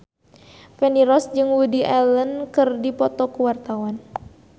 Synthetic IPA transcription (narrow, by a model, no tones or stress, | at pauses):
fɛniɾɔsd͡ʒɨŋwudiʔɛlənkɨrdipɔt̪ɔkuwart̪awan